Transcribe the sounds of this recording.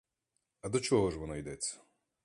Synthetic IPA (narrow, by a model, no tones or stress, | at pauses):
ɐd̪ɔt͡ʃɔɦɔʐvɔnajd̪ɛt͡sʲːɐ̥